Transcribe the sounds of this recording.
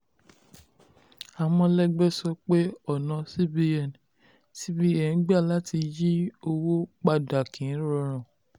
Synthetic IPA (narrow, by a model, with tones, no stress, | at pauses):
a˨mɔ̃˧lɛ˦ɡ͡bɛ˦sɔ˦k͡pe˦ɔ˦˨nã˨si˦bi˦ɛ˨n˨ | si˦bi˦ɛ˦˨n̩˨˦ɡ͡ba˦˨la˦ti˧ji˦o˧wo˦k͡pa˧˨da˨kʰĩ˨˦ɾɔ˧ɾ̃ã˨